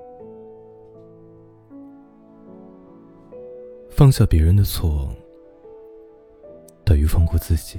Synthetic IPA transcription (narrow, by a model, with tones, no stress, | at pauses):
fɑ˥˧ŋɕjɑ˥˩pjɛ˧˥ɻə˧˥nd̪ə˧t͡sʰwɔ˥˩wɑ˨˥˩ŋ | t̪a˨˩y˧˥fɑ˥˧ŋku˥˧t͡sɹ̩˥˩t͡ɕi˨˩˦